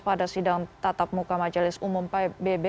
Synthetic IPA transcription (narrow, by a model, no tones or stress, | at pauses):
padasidaŋt̪at̪ap̚mukamad͡ʒalɪsumʊmpbebe